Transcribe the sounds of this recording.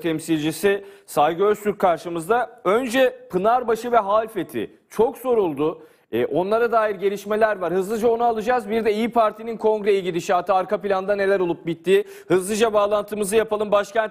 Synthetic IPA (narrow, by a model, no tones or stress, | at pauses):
t̪ʰɛmsilʲd͡ʒisɪsalɡɯøɾst̪yɾkʰaɾʃɯmɯzd̪aø̞nd͡ʒɛpʰɯnaɾbaʃɯvɛɦaːlʲfet̪ʰɪ̰ | t͡ʃʰo̞kz̥o̞ɾulˠd̪ʊ | ɛʔo̞nlˠaɾad̪aːjiɾɟe̞lʲiʃme̞lʲæɾvaɾhɯzlˠɯd͡ʒao̞nualˠɯd͡ʒaːzbiɾd̪ɛijipʰaɾt̪ʰininkʰo̞ŋɡɾejiɟʲilʲiʃat̪ʰɯaɾkʰapilʲand̪ane̞lʲæɾo̞lˠup̚bit̪ʰːiː | hɯzlˠɯd͡ʒabaːlˠant̪ʰɯmɯzɯjapalˠɯmbaʃcænt̪